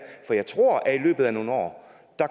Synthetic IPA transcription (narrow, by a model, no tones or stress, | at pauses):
fɒ̽jɑ̈ɪt͡sʰʁo̝ɐ̰ʔæilø̰ːb̥ð̩ˠæno̝ːn̩ɒ̰ː | d̥ɑ̈